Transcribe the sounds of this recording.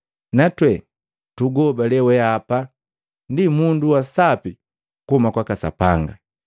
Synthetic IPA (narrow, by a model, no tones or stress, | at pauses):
natwɛ | tuɡɔbalɛwɛapa | ndimunduwasapi | kumakwakasa̰pa̰ŋɡa̰